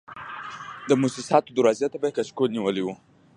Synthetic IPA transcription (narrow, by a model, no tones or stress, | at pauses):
d̪əmusisɑt̪od̪uɾazjat̪abakaʃkolniwəliwu